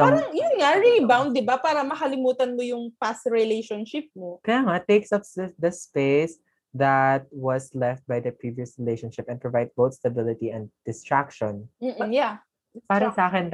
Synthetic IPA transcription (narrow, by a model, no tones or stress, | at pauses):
ɾɐŋjsŋaɹilbawnd̪̚d̪ɪbapaːɾɐmɐkɐlɪmuːt̪ɐnmojʊŋpasɹɪlejʃonʃɪp̚mokɐjaːŋat̪eksɐpd̪ɐspes | d̪ɐt̪̚wɐslɛft̪̚bɐjd̪ɐpɹiːviɐsɹɪlejʃɔnʃɪpɛ̃npɹovajd̪̚bot̪st̪ɐbɪlɪt̪iɛ̃nd̪̚d̪̥ɪst̪ɹak̚ʃɔnm̩ːja | paːɾɐsɐʔaːkɛn